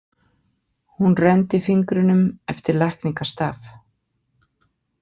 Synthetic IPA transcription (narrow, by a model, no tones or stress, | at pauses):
hunrɛnt̪ɪfiŋkɾʏnʏmɛft̪ɪɾlahkniŋkast̪aːf